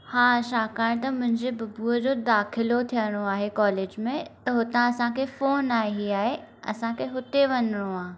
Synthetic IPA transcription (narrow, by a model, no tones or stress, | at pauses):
haːʃaːkaːɪɽ̃t̪ɐmʊ̃ɦɪ̃ɲd͡ʑebɐbuəd͡ʑoːd̪aːxʰɪlot̪ʰijəɽ̃oaːɦekɔːleːd͡ʑmẽt̪ɐɦʊt̪ãɐsãkʰefoːnaːɦeɦiaːɦeɐ̰sãkʰeɦʊt̪eʋɐnɾoãː